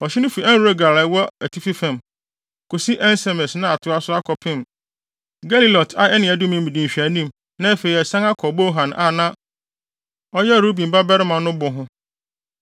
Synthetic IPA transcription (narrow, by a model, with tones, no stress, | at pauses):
ɔ˨ɕɪ˦nʊ̃˦fi˨ɛ̃˦nɾu˦ɾe˦ɡa˨la˨˦wɔ˦æ˨tʰi˦fi˦fã˨m | kʰo˨si˦ʔɛ˦n˦sɛ˨mɛ˨snã˦a˨tʰʊ˨˦a˦sʊ˦a˦kʰɔ˨pʰɪ̃˦˨m | ɡa˦li˦lɔ˨tʰa˦ɛ˦nɪ̃˨ɛ˨dʊ̃˦mɪ̃˦m˦mĩ˨dĩ˨ɕᶣi˨æ˨nĩ˦˨m | nã˦˨fe˨i˨ɛ˨sã˦ŋa˦kʰɔ˨bo˦ɦã˨nʔa̰˨nã˦ | ɔ˦jɛ˦˨ɾo˦bĩ˨mba˦bɛ˦ɾɪ˦mã˨nʊ̃˦bʊ˨ɦʊ̃˦